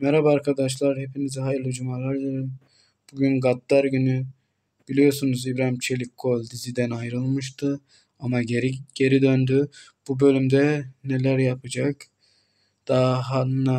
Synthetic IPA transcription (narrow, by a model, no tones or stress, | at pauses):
mɛɾabaɾkʰad̪aʃ̬lˠaɾhepʰinizɛɦajɾlʲud͡ʒumalˠaɾd̪ɯ | b̥uɟynɡat̪lˠaɾɟyny | b̥ilʲijo̞ɾsunuzibɾaːɦimt͡ʃʰe̞lʲikʰɡʰo̞lʲd̪izid̪ænajɾɯlˠmɯʃ̬t̪ʰɯ | amaeɾiɟ̥e̞ɾid̪ønd̪y | b̥ubø̞lʲymd̪ɛne̞lʲæɾjapʰɯd͡ʒak | d̪̥aːɦana